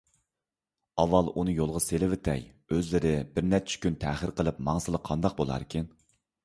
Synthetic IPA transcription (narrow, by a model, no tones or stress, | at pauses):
ɑvːɑlˠunɨjolˠʁɑselɪvɪt̪ʰɛ̰j | øzlɪɾɪbɪɾnɛt͡ʃʰɪ̥kʲynt̪ʰɛːχəɾqʰəlˠɨp̚mɑŋsɨlˠəqʰːɑnd̪ɑq̚bolˠɑ̰ːɾkʲʰin